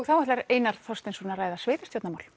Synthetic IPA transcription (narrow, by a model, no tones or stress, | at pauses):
ɣθawɛht̪laɾeːjnaɾ̥θɔst̪ɪnsɔnaɾaːjðasvɪːðast̪jɔt̪namawl̥